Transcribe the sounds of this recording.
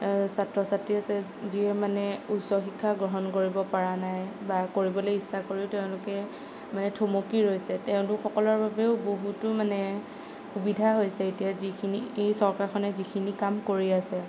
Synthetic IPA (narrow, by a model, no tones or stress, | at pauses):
satɹɔsatɹiasɛziɛmanɛusɔxikʰːaɡɹɔɦɔnkoɹibɔpaɹanajbakoɹibɔlojisːakoɹiʊteʊ̃lʊkɛ | manɛtʰomokiɹojsɛtɛʊ̃tʊxɔkɔlɔɹbabɛʊboɦutʊmanɛ | xubidʱaɦojsɛetijazikʰiniejsɔɹkaɹkʰɔnɛzikʰinikamkoɹiasɛ